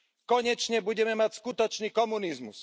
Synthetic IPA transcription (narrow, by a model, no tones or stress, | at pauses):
kɔɲɛt͡ʃɲɛbuɟɛmɛmacskut̪ɔt͡ʃniːkɔmunizmus